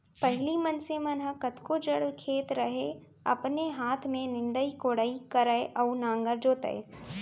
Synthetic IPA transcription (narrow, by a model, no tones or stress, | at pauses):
pɐɦɪlimɐnsemɐnɦəkɐt̪kod͡ʒəɽkʰeːt̪ɾɐɦe | ɐ̰pneɦaːt̪ʰmẽnɪ̃nd̪əikoːɽəikɐɾəeʔɐːnãːŋɡəɾd͡ʒoːt̪ə̰ḛ